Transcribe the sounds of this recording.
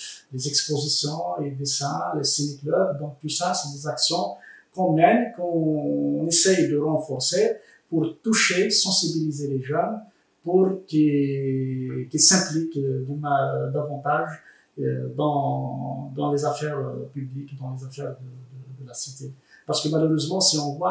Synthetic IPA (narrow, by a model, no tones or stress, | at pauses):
lezɛkspozisjɔ̃led̪esɛ̃lesineklœbd̪ɔ̃k̚t̪usasɛd̪ezaksjɔ̃kɔ̃mjɛnkɔ̃nesɛjd̪əʁɑ̃fɔʁse | puʁt̪uʃesɑ̃sibilizeleʒœn | puʁki | kilsɛ̃plikd̪əmad̪avɑ̃t̪aʒ̰ | d̪ɑ̃ | d̪ɑ̃lezafɛʁpyblikd̪ɑ̃lezafɛʁd̪əəd̪əlasit̪epaʁsə̥kəmaløʁøzmɑ̃siɔ̃vwa